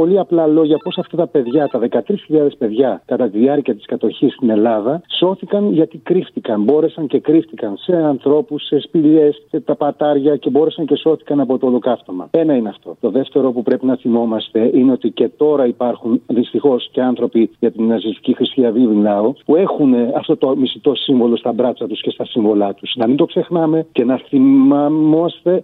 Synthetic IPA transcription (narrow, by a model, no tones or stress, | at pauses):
po̞liɐplɐlo̞ʝɐpo̞sɐft̪ɐt̪ɐpe̞ðʝɐt̪ɐðe̞kɐt̪ɾisçiʎɐðe̞spe̞ðʝɐkɐt̪ɐt̪iðiɐɾciɐt̪i̥skɐt̪o̞çist̪ine̞lɐðɐso̞θikɐnʝɐt̪ikɾift̪ikɐnbo̞ɾe̞sɐɲce̞kɾift̪ikɐnse̞ɐnθɾo̞pusːespile̞set̪ɐpɐt̪ɐɾʝɐce̞bo̞ɾe̞sɐɲce̞so̞θi̥kɐnɐpo̞t̪olokɐft̪o̞mɐ̰e̞nɐineɐft̪o̞t̪o̞ðe̞ft̪e̞ɾo̞pupɾe̞pinɐθimo̞mɐst̪e̞ʔineo̞t̪ice̞t̪o̞ɾɐipɐɾxunðist̪ixo̞sce̞ɐnθɾo̞piʝɐt̪inːɐsiɐst̪i̥cixɾist̪iɐvivinlɐopue̞xuneɐft̪o̞t̪o̞mist̪it̪o̞siɱvo̞lo̞st̪ɐbɾɐt͡sɐt̪usce̞st̪ɐsiɱvo̞lɐt̪usnɐmind̪o̞kse̞xnɐme̞ce̞nɐθimɐmmɐst̪e̞